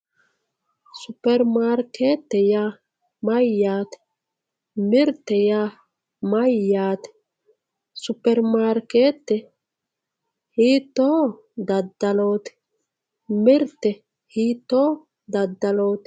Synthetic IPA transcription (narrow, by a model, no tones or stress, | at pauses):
supɛɾmaɾket̪ːɛja | majaːt̪ɛ̥ | miɾt̪ɛja | majat̪ɛ̥ | supɛɾmaɾket̪ːɛ | hit̪oː | d̪ad̪alot̪i̥ | miɾt̪ɛ | hit̪oː | d̪ad̪ːaloːt̪